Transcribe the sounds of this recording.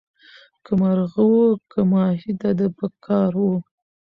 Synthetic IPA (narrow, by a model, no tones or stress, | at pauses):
kəmaɾɣəwokəmɑɦid̪ad̪əpəkʰɑɾwo